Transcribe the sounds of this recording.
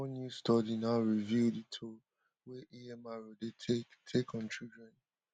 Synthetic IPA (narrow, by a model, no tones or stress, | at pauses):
ɔ̃njustɔdinaʊɹividitʰo | weʔiɛmaɹodetʰektʰekʰɔ̃nt͡ʃibɹɛ̃n